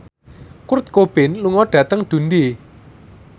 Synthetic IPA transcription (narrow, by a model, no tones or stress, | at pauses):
kʊrt̪̚kob̥ɪnluŋɔɖ̥ä̤t̪əŋd̪̥ṳnd̪i